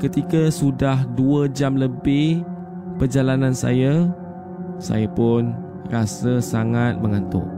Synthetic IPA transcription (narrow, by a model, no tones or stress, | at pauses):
kət̪ikəsudahduəd͡ʒamləbɪh | pərd͡ʒalanãnsa̰ja | sa̰japʊn | rasəsaŋat̪̚mə̃ŋant̪ʊ̰ʔ